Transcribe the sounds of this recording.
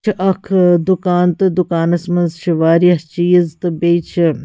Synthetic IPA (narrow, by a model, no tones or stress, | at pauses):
ɐkʰd̪ukaːnt̪ɨd̪ukaːnɐsmɐnzʃiʋaːɾjɐɦt͡ʃiːzt̪ɨbeːt͡ʃʰ